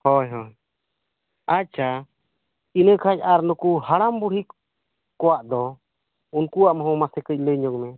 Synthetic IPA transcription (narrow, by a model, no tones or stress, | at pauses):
hɔjɦɔj | at͡ʃʰa | inəkʰacaɾnukuhaɽambuɽ̤i | kɔwaʔd̪ɔ | unkuaʔmaɦɔ̃masɛkəc̚ˀləɲɔɡmɛ